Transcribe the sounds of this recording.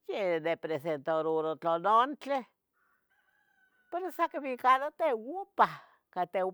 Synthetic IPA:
jenepɾesent̪oɾuɾot͡ɬonont͡ɬe | peɾosakaβikalot̪ewupa | kat̪e

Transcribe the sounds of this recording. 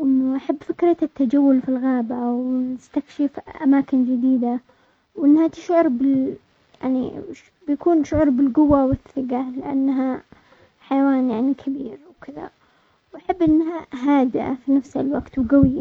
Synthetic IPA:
ʔɪnːaʔaħabːfɪkɾˤaat̪ːad͡ʒawːʊlfilɣaːbawnɪst̪akʃɪfʔamaːkɪnd͡ʒɪd̪iːd̪a | wʔɪnːhat̪ɪʃʕʊɾˤbɪl | jaʕnḭ | bɪjakuːnʃʊʕʊɾˤbɪlɡʊwːawɪθːɪɡalɪʔa̰nːɦa | ħajawaːnjaʕnikʰabiːɾwkɪða̰ | wʔaħabːʔɪnːɦaɦaːd̪ɪʔa̰finafsɪlwaɡt̪wɡawɪjːa

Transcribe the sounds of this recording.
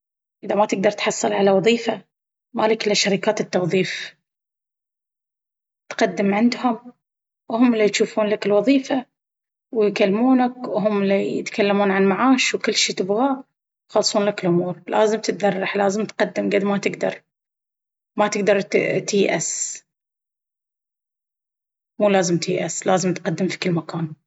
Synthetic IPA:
ʔɪðamat̪ɪɡ̚d̪ɑɾˤt̪ħɑsˤːɨlʕalawɑðˤiːfa | malakɪlːaʃːaɾɪkaːt̪ɪt̪ːɑwðˤiːf | t̪qɑd̪ːɪmʕɪnd̪hʊm | whʊmːɪlːit̪ʃuːfuːnlakɪlwɑðˤiːfa | wɪjkalːmuːnakwɦʊmːɪlːijɪt̪kalːamuːnʕanmaʕaːʃwkɪlːʃiːt̪ɪbɣaː | xɑlsˤuːnlakɪlʔʊmuːɾlʔaːzɪmt̪ɪt̪ðɑrˤːɑħlaːzɪmt̪qad̪ːɪmɡad̪mat̪ɪɡd̪ɑ̰ɾˤ | mat̪ɪɡd̪ɑɾˤt̪iːʔas | muːlaːzɪmt̪ḭːʔaslaːzɪmt̪qad̪ːɪmfi̥kɪlːmakaːn

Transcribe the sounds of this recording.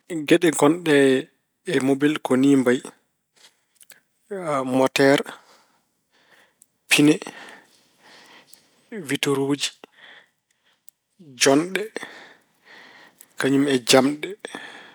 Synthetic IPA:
ɡɛɗɛɡɔnɗɛː | mobilkɔniːmbaj | mɔtɛɾ | pʰinɛ | vitoɾoːd͡ʒi̥ | d͡ʒɔnɗɛ | kaɲumɛd͡ʒamɗɛ

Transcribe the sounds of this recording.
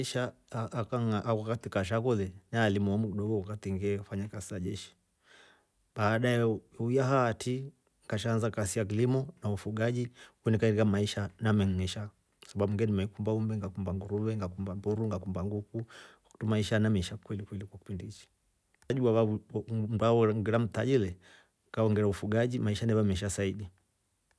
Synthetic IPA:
iʃa | ʔːkaŋaʔakwakatikaʃ̬akɔðɛnaːlimuamukiɗɔɡɔwakatiŋɡiɛufaɲakasizaʄɛʃi̥ | ɓaːɗajɛujaɦaːtʰi | ŋɡaʃaːnzakasijak̬ilimɔnaufuɡaʄiunikaiɾikamaiʃanamɛŋɛʃa | saɓaɓuŋɡɛnimɛikumbaumbɛŋɡakumbaŋɡuɾuβɛŋɡakumbambuɾuŋɡakumbaŋɡuku | u̥tumaiʃanamɛiʃakwɛlikwɛlikwaki̥pindiit͡ʃi̥ | aʄuaβam̩aaŋɡɛɾam̩taʄilɛ | ŋkaɔŋɡɛɾaufuɡaʄimaiʃanɛvamɛiʃ̬asaiɗi

